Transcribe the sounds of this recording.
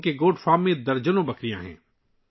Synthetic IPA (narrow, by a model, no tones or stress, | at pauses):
keɡoːɖfaːmːẽd̪ɐɾd͡ʒənõbɐkɾijã̰ɦɛ̰̃ː